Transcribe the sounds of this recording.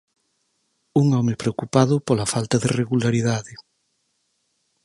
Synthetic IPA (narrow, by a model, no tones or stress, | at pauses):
uŋɔmɪpɾeokupaðʊpolɐfalt̪ɐðereɣulaɾiðaðɪ